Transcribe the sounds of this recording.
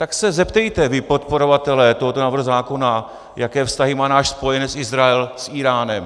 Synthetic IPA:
t̪aksɛzɛpt̪ɛjt̪ɛvɪpo̞t̪po̞ɾo̞vat̪ɛlɛːt̪oɦo̞t̪onaːvrɦuzaːko̞na | jakɛːfst̪aɦɪmaːnaːʃspo̞jɛnɛsɪzɾaɛlsʔiːɾaːnɛm

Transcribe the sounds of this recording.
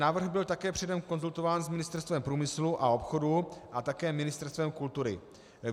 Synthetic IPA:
naːvr̩ɣbɪlt̪akɛːpr̥ɛdɛmko̞nzult̪o̞vaːnzmɪnɪst̪ɛɾst̪vɛmpɾuːmɪsluʔao̞pxo̞duʔat̪akɛːmɪnɪst̪ɛɾst̪vɛmkult̪uɾɪ̰

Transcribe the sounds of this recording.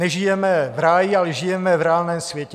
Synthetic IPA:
nɛʒɪjɛmɛvɾaːjɪalɛʒɪjɛmɛvɾɛaːlnɛːmsvjɛcɛ

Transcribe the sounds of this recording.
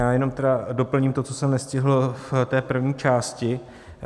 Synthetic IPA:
jaːjɛno̞mt̪ɛdado̞pl̩ɲiːmt̪o̞t͡sosɛmnɛscɪɦl̩ft̪ɛːpr̩vɲiːt͡ʃaːscɪ

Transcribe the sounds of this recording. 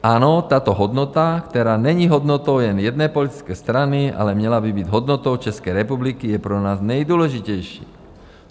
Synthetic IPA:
aːnɔt̪aːt̪ɔɦɔd̪nɔt̪akt̪ɛɾaːɲɛɲiɦɔd̪nɔt̪ɔʊlɛnjɛd̪nɛjpɔlit̪i̥t͡skɛjst̪ɾania̰lɛmɲɛlabibiɟɦɔd̪nɔt̪ɔʊt͡ʃɛskɛjɾɛpublikijɛpɾɛnaːznajd̪ʊɔlɛʒicɛjʃḭː

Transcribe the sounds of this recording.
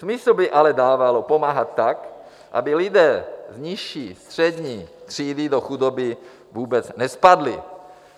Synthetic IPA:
smɪslubɪʔalɛdaːvalopo̞maːɦat̪ːak | ʔa̰bɪlɪdɛːzɲɪʃiːst̪r̝̥ɛdɲiːt̪r̝̥iːdɪdo̞xudobɪ | vuːbɛt͡snɛspadlɪ̰

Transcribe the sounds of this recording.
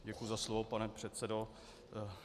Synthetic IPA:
ɟɛkujuzaslovopanɛpr̥ɛt̪sɛdo

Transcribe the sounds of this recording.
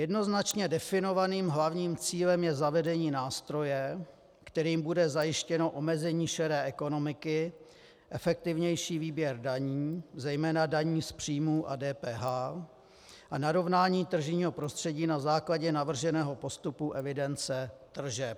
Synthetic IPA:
jɛdno̞znat͡ʃɲɛdɛfɪno̞vaniːmɦlavɲiːmt͡siːlɛmjɛzavɛdɛɲiːnaːst̪ɾo̞jɛ | kt̪ɛɾiːmbudɛzajɪʃcɛno̞ʔomɛzɛɲiːʃɛɾɛːʔɛko̞no̞mɪkɪ | ʔɛfɛk̚t̪ɪvɲɛjʃiːviːbjɛɾdaɲiːzɛjmɛːnadaɲiːspr̝̥iːmuːʔa̰dɛːpɛːɦaː | ʔanaɾo̞vnaːɲiːt̪r̩ʒɪɲiːɦo̞pɾo̞st̪r̥ɛɟiːnazaːklaɟɛnavr̩ʒɛnɛːɦo̞po̞st̪upuʔɛvɪdɛnt͡sɛt̪r̩ʒɛp

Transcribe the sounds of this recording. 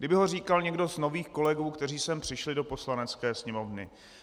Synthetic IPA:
ɡdɪbɪɦo̞r̝iːkalɲɛɡdo̞znoviːxko̞lɛɡuːkt̪ɛr̝iːsɛmpr̝̥ɪʃlɪdo̞po̞slanɛt͡skɛːsɲɛmo̞vnɪ̰

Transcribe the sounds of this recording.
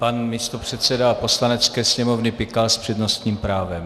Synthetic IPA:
panmist̪opr̝̥ɛt̪t͡sɛdapo̞slanɛt͡skɛːsɲɛmo̞vnɪpɪkalspr̝̥ɛdno̞st̪ɲiːmpɾaːvɛm

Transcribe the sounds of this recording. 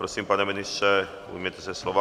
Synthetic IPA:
pɾosimpanɛmɛnist͡ʃɛ | ṵmʲet̪ɛsɛslɔʋa

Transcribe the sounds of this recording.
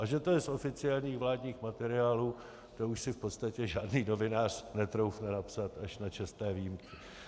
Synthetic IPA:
ʔaʒɛt̪o̞jɛso̞fɪt͡sɪalɲiːxvlaːdɲiːxmat̪ɛɾɪaːluː | t̪ouʃsɪfpo̞t̪st̪acɛʒaːdniːno̞vɪnaːr̝̥nɛt̪ɾowfnɛnapsat̪aʃnat͡ʃɛst̪ɛːvijimkɪ

